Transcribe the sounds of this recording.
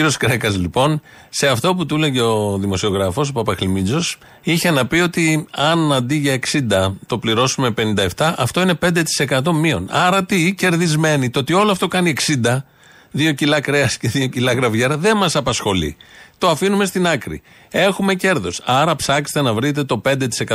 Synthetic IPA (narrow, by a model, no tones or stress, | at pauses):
iɾio̞skɾekɐzlipo̞n | se̞ɐft̪o̞put̪ule̞ʝeo̞ðimo̞sio̞ɣɾɐfo̞s̬opɐpɐxlimid͡zo̞s | içe̞nɐpio̞t̪iɐnɐnd̪iʝɐeksind̪ɐt̪o̞pliɾo̞sume̞pe̞nind̪ɐe̞ft̪ɐʔɐft̪o̞ine̞pe̞nd̪e̞t̪i̥se̞kɐt̪o̞mio̞̰nɐɾɐt̪ice̞ɾðizme̞nit̪oot̪io̞loɐft̪o̞kɐnie̞ksind̪ɐ | ðio̞cilɐkɾe̞ɐsce̞ðio̞cilɐɣɾɐvʝeɾɐðe̞mɐsɐpɐsxo̞lḭt̪o̞ɐfinume̞st̪inɐkɾḭ | e̞xume̞ce̞ɾðo̞sɐɾɐpsɐkst̪e̞nɐvɾit̪̬e̞t̪o̞pe̞nd̪e̞t̪i̥se̞kɐ